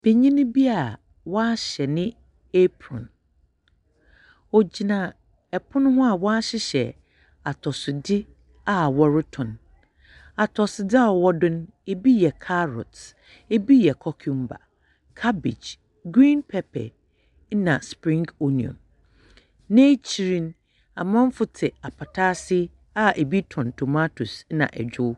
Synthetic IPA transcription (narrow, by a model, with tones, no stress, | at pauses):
b̥e˨ɲĩ˦nɪ̃˦bi˦a˨ | wɔ˦a˦ɕɛ˨nɪ̃˦ | e˦pʰɾɔ̰̃˨n | ɔ˨d͡ʑi˨nã˨ | ɛ˨pʰʊ˦nʊ̃˦ha˨wɔ˦a˦ɕɪ˦ɕɛ̰˨ | a˨tʰɔ˨sʊ˨dɪ˦ | a˨wɔ˦ɾɪ˦tʰɔ̃˨n | a˨tʰɔ˨sʊ˨dɪ˦a˦˨wɔ˦dʊ̃˦n | e˦bi˦jɛ˨kʰa˦ɾɔ̰˨t | e˦bi˦jɛ˨kʰɔ˨kʰũ˦m˦ba̰˨ | kʰa˦bḭ˨d͡ʒ | ɡɾĩ˦npʰɛ˦pʰɛ̰˨˦ | nã˨spɾĩ˦ŋko˦nĩ˨ɔ̰̃˨n | nẽ˦t͡ɕʰi˨ɾĩ˦n | a̰˨mã˦m˦fʊ˦tʰɪ˨a˨pʰa˨tʰaː˦sɪ˦ | a˨ʔe˨bi˦tʰɔ̃˨ntʰo˨ma˦tʰu˨snã̰˨ʔɛ̰˨d͡ʑᶣʊ˦